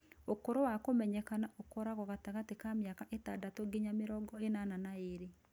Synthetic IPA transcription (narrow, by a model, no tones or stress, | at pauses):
okoɾowakomɛɲɛkanaʔokɔɾaɣɔɣataɣatekamejakaʔetadatoɡiɲameɾɔɡɔenananaeɾe